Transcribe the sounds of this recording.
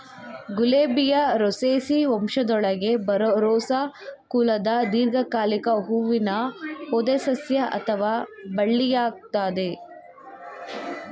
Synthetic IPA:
ɡuleːbijɐɾɔseːsiɔmʂɐd̪ɔɭɐɡe̞bɐɾɾɔːsakuːlɐd̪ɐd̪iːɾɡʱɐkaːlikɐɦuːʋinɐhod̪esɐsjɐʔɐ̰t̪ʰɐʋaːbɐɭːijaːɡ̚t̪aːd̪e

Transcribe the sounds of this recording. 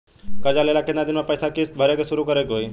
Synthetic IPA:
kəɾd͡ʒaleːlakenad̪ɪnmãpəjsʰakɪsbʱəɾjəkesʊɾukəɾekɦoːiː

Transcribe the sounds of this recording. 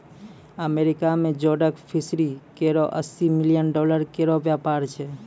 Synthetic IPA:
əmeɾikamẽd͡ʒoɖəkfʰɪsɾikeɾoʔəsimɪljənɖɔləɾkeɾoʋjapaɾt͡ʃʰe

